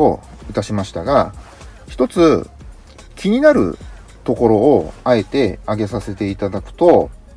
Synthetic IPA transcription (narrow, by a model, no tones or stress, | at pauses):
o̰ɯt̪aɕimaɕi̥t̪aɡa | çi̥t̪o̞t͡sɨ | kʲiɲ̟inaɾɯ̟̰ | t̪o̞ko̞ɾo̞ːae̞t̪e̞aɡe̞sase̞t̪e̞it̪ad̪akɯ̟̥t̪o̞